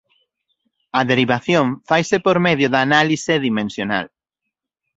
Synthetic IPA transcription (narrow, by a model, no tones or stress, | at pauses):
ɐðeɾiβaθjõɱfajsepoɾmeðjʊðanaliseðimẽnsjona̰l